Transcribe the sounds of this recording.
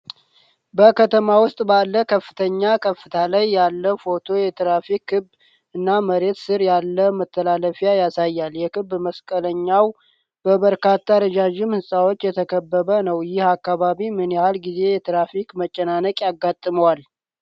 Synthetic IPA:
bəkʰət̪ʰəmawʊst̪ʼbalːəkʰəfːɨt̪ʰəɲːakʰəfːɨt̪ʰalajːalːəfo̞t̪ʰo̞jɛt̪ʰɾafikʰːɨb | ɨnːaməɾe̞t̪sɨɾjalːəmət̪ʰːəlaləfjajasajːaljɛkʰɨbːməskʼələɲːaw | bəβəɾkat̪ːaɾəd͡ʒaʒɪmhɨsʼawo̞t͡ʃːjɛt̪ʰəkʰəbːəβənəwjɪhakːaβaβimɨnjahalɡize̞jɛt̪ʰɾafikmət͡ʃʼːənanəkʼjaɡat̪ʼːɨməwal

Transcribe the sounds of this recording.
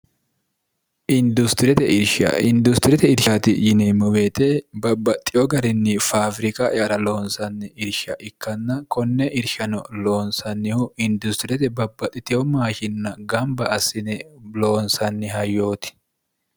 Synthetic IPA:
ʔɪnd̪ʊst̪ɪɾɛt̪ɛʔɪɾʃɐ̰ɪnd̪ʊst̪ɪɾɛt̪ɛɪɾʃat̪ɪjɪnɛmʊweːt̪ebɐbːɐt̪ʼːɪjɔɡɐɾɪnːɪfaːfɾɪkʼɐʔɛɐɾɐlo̞ːnsɐnːɛɪɾʃɐʔɪkːɐnːɐkɔnːɛʔɪɾʃɐnɔlo̞ːnsɐnːɪhʊɪnd̪ʊst̪ɪɾɛt̪ɛbɐbːɐt̪ʼːɪt̪ɪjɔmaːʃɪnːɐɡɐmbɐʔɐsɪnɛlo̞ːnsɐnːɪɦɐjːo̞ːt̪ɪ̥

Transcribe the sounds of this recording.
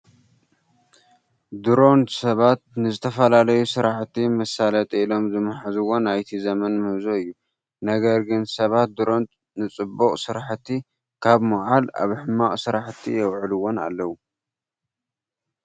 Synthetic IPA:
d̪ɨɾo̞nt̪sɐβat̪̚nɨzɨt̪ʰɐfɐlalɐjusɨɾaħt̪ʰːimɐsalɐt̪ʼiilo̞mzɨmaħazɨwo̞najt̪ʰizɐmɐnmɨhzoɨjːu | nɐɡɐɾɡɨnsɐβat̪̚d̪ɨɾo̞nt̪̚ | nɨt͡sʼɨbːoqʼsɨɾaħt̪ʰːi | kʰaβmɨʕala̰βħɨmːaχʼsɨɾaħt̪ʰːḭjɛwʕɨluwo̞na̰lːɐwu

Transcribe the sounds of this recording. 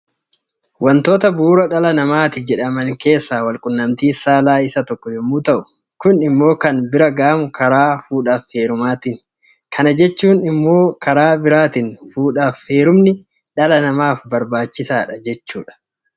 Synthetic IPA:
wɐnt̪o̞ːt̪ɐbuːɾɐᶑɐlɐnɐmaːt̪ɪd͡ʒɛᶑɐmɐŋke̞ːsːaːwɐlkʼʊnːɐmt̪iːsaːlaːɪsɐt̪ɔkːɔhɪmːuːt̪ɐʔʊ̥ | kʊnɪmːo̞ːkɐnbɪɾɐɡaːmkɐɾaːfuːᶑaːfhe̞ːɾʊmaːt̪ɪn | kʰɐnɐd͡ʒɛt͡ʃːuːnɪmːo̞ːkɐɾaːbɪɾaːt̪ɪnfuːᶑaːfhe̞ːɾʊmnɪ | ᶑɐlɐnɐmaːfbɐɾbaːt͡ʃːɪsaːᶑɐd͡ʒɛt͡ʃːṵːᶑɐ̥

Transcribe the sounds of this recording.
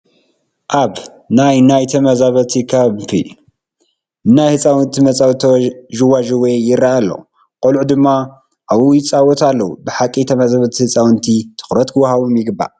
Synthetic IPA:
ʔaβ | najnajt̪ʰɐmɐzaβɐt̪ʰikʰafʰḭ | ɨnːajhɨt͡sʼawɨnt̪ʰimɐt͡sʼawt̪ʰʒuwaʒuwɔjjɪrːaʔalːo̰ | kʼolʕud̪ɨmːa | ʔaβujɪt͡sʼawɔt̪ʰalːɐwubɨħakʼːit̪ʰɐmɐzaβɐt̪ʰihɨt͡sʼawnt̪ʰit̪ʰɨ̥xɾɐt̪kʰɨwhaβumjɪɡɨbːa̰

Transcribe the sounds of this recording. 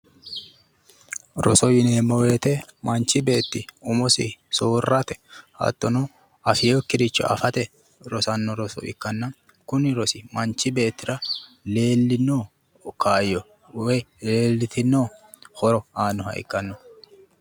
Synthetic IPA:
ɾɔ̰sɔjɪneːmːɔwe̞ːt̪ɛmɐnt͡ʃɪbe̞ːt̪ːɪʊmɔsɪsoːrːɐt̪ɛ̥hɐ̰t̪ːɔnɔ | ɐfɪjokːɪɾɪt͡ʃːɔ̰ʔɐ̰fɐt̪ɛ | ɾɔsɐnːɔɾɔsɔ̰ɪ̰kːɐnːɐ | kʊnɪɾɔsɪmɐnt͡ʃːɪbe̞ːt̪ːɪɾɐ | le̞ːlːɪnːoː | kʰaːjːɔ | wɛleːlːɪt̪ɪnːoː | hɔɾɔaːnːɔhɐ̰ɪ̰kːɐnːɔ

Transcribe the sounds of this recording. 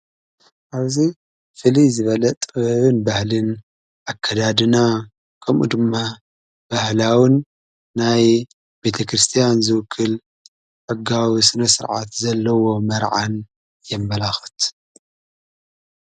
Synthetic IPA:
ʔaβzi | fɨlizɨβɐlɐt̪ʼɨβɐβɨnbahlɨn | ʔakʰːɐd̪ad̪ɨna | kʰɐmʔṵd̪ɨmːa | b̥ahlawɨnː | aj | be̞t̪ʰɐkɾɨst̪ʰijanzɨwɨkʰːɨl | ʔɨɡawisɨnɐsɨɾʕa̰t̪zɐlːɐwo̞mɐɾʕa̰n | jɛmːɐlaxɐt̪

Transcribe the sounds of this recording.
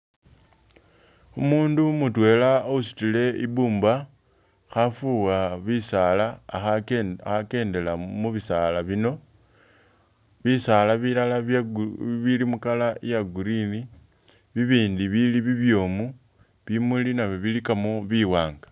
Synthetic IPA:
umuːndumutwe̞ːlaousi̥tile̞iβuːmba | xafuɣaβisalaːxaxake̞ːnde̞lamuβisalaβino̞ | βisalaβilala | βilimukalaijaɡuɾini | βiβiːndiβiliβiβjo̞ːmu | βimulinaβiβilikamoβiwaːŋɡḁ

